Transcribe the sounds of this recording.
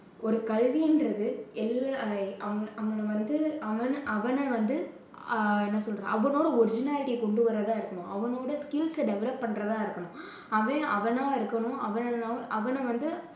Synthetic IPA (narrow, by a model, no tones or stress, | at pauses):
ʔɔɾɯkɐɭʋiɛndɾɐðɯɛlːaɐʋɐʋɐnɐʋɐnd̪ɯɐʋɐnʔɐʋɐnɐʋɐnd̪ɯ | nãːsɔlɾḛ̃ːʔɐʋɐnoːɽɐɔɾɪd͡ʒɪnaːlɪʈikɔɳɖɯʋɐrːɐðãːɪɾɯkːɐɳʊ̃ʔɐʋɐnoːɽɐskɪlsɖɛʋɛɭɐpːɐɳɾɐðãːɪɾɯkːɐɳʊ̃ | ɐʋẽːʔɐʋɐnaːɪɾɯkːɐɳʊ̃ɐʋɐnɐnaːʔɐʋɐnɐʋɐnd̪ɯ